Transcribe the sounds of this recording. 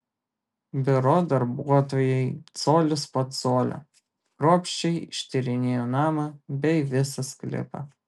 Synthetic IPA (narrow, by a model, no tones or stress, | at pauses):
bʲɪɾoːd̪ɐɾbuɔt̪oːjɛɪt̪soːlʲʊsposoːlʲo̰ | ɾoɔpʲʃʲt͡ʃʲɛɪɪʃʲt̪ʲɪɾʲɪnʲeːjonɑːmɐbʲɛɪʋʲɪsɐsklʲɪ̰pɐ̰